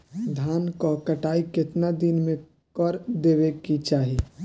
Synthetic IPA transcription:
d̪ʱaːnkokɐʈaːikɪt̪nad̪ɪnmẽ | kɔɾd̪eːʋekit͡ʃaːɦiː

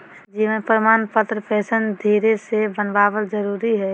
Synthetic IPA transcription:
d͡ʒimə̃pəɾmaːnpət̪ɾəpɛːsənd̪ʱiɾesebənbaːbəld͡ʒəɾuɾiɦɛ

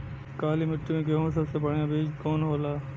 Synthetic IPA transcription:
kaːlimɪʈːimẽkeɦõs̬ɐbsebɐɽ̤jãbeːd͡ʒkɔːnɦoːlaː

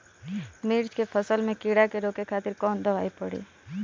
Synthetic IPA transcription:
miɾt͡ʃkepʰəsəlmẽkiɽakeɾoːkekʰaːt̪ɪɾkɔːnd̪əʋa̰ːipəɽḭː

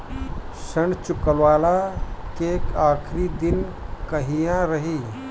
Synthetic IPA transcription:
səɳɖt͡ʃʊkəlwaːlakekaːkʰɾid̪ɪnkəɦijãɾəɦi

